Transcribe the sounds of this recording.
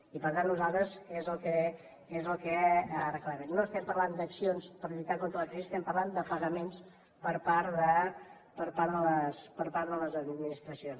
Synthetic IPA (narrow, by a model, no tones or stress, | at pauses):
ipəɾt̪annuzalˠt̪ɾəzezəlˠkɛ | ezəlˠkɛrəklɛβənnoəst̪ɛmpərland̪əksionspəɾʎujt̪akont̪ɾəlˠəkɾiziəst̪ɛmpərland̪əpəɣəmens | pəɾpaɾðə | pəɾpaɾðələspəɾpaɾðələzəd̪mminist̪ɾəsions